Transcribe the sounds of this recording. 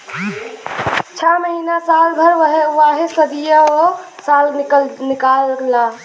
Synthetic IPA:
t͡ʃʰaməɦinasalbʱəɾʋaɦesəd̪ijəosalnikalɡla

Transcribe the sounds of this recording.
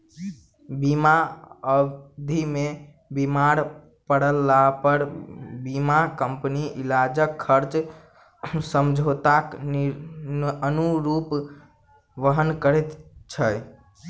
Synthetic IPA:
bimaəd̪ʱime | bimaɾ | pəɽəlːapəɾbimakəmpniʔilad͡ʒəkʰːəɾt͡ʃ | səmd͡ʒʱot̪ak | ənuɾup | ʋəɦənkəɾɛt̪t͡ʃʰəj

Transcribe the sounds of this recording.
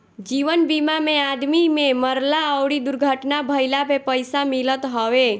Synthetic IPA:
d͡ʒiʋənbimamead̪mimeməɾlaəwɽid̪uɾɡʱəʈnabʱəɪlabʱepəjsamilət̪ɦɔwe

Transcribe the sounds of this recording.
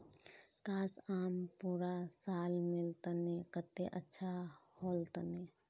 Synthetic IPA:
kaːsaːmpuːɾasaːlmɪlt̪ənekət̪ːeʔətːʃʰahoːlt̪əne

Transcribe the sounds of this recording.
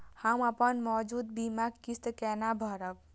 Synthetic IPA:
haməpənmɔd͡ʒud̪̚bimaɡkist̪kɛnabʱʌɾʌk̚

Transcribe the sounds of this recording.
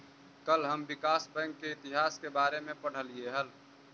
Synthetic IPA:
kəlɦəmbɪkaːsbə̃ŋɡkeɪt̪ɪɦaːskebaːɾemẽpəɽ̤əlieɦəl

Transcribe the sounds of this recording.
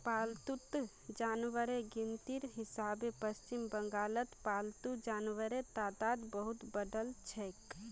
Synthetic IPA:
paːlt̪ut̪ | d͡ʒaːnʋəɾeɡint̪iɾɦɪsabepəst͡ʃimbəŋɡaːlət̪paːlt̪ud͡ʒaːnʋəɾet̪ad̪aːd̪bəɦut̪bəɖəlt͡ʃʰɛk

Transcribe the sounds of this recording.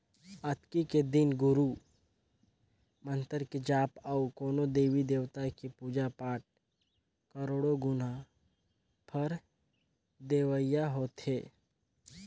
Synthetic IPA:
ət̪kiked̪ɪnɡʊɾu | mə̃nt̪əɾked͡ʒaːpaukoːnod̪eːʋid̪eːʋt̪akipuːd͡ʒapaːʈ̚ | kəɾoːɽoɡʊna | pʰɐɾ | d̪eːʋəijaɦoːt̪heː

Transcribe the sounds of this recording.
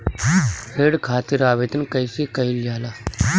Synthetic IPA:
ɾeːɽkʰaːt̪iɾaːʋeːt̪ənkɐjsekɐiljaːlaː

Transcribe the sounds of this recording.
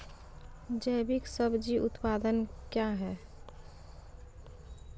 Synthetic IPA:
d͡ʒəɪbiksəbd͡ʒiʔʊt̪paːd̪ənkjaɦɛ

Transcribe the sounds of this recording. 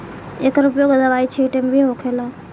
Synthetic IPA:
eːkɾʊpjoɡəd̪əʋaːit͡ʃʰiʈembʱiɦoːkʰela

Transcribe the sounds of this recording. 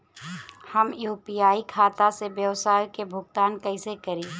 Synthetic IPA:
hɐmjuːpijaːikʰaːt̪asebjəʋsaːjkebʱʊɡ̚t̪aːnkɐɪsekɐɾiː

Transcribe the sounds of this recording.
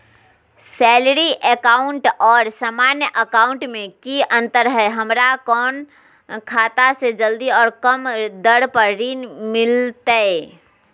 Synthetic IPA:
sɛːlɾiʔəkaːʊɳʈɔːɾsaːmaːnjəʔəkaːʊɳʈmẽkiə̃nt̪əɾɦɛɦəmɾakɔːn | kʰaːt̪ased͡ʒəld̪iɔːɾkəmd̪əɽpəɾɾiːnmɪlt̪aɛ

